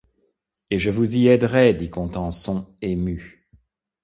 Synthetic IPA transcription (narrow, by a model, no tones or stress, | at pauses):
eʒəvuziɛd̪ʁɛd̪ikɔ̃t̪ɑ̃sɔ̃emy